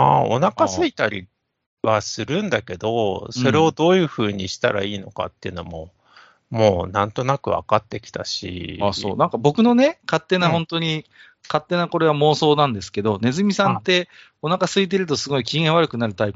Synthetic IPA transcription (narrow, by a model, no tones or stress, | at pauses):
ao̰nakasɨit̪aɾʲi | βasɨɾɯ̟̃nd̪ake̞d̪o̞so̞ɾe̞o̞d̪o̞ːjɯ̟ːɸɯ̟ːɲ̟iɕi̥t̪aɾa̰iːno̞ka̰t̪ːeiɯ̟no̞mo̞ | mo̞ːnãnt̪o̞nakɯ̟βa̰kat̪ːe̞kʲi̥t̪a̰ɕḭaso̞̰ːnãŋkabo̞kɯ̟no̞ne̞kat̪ːe̞nahõ̞nt̪o̞ɲ̟i | kat̪ːe̞nako̞ɾe̞βamo̞ːso̞ːnãnd̪e̞sɨ̥ke̞d̪o̞ne̞zɨmʲisãnt̪e̞ | o̞nakasɨit̪̬e̞ɾɯ̟t̪o̞sɨɡo̞ikʲiɡeɰ̃βaɾɯ̟kɯ̟naɾɯ̟t̪aip